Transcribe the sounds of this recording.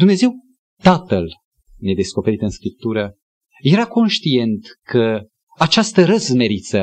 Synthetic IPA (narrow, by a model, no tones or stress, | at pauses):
d̪umne̞ze̞w | t̪at̪əl | ned̪e̞sko̞pe̞ɾit̪ɨnskɾip̚t̪uɾə | je̞ɾako̞nʃt̪ie̞nt̪kʰə | at͡ʃast̪əɾəsme̞ɾit̪sə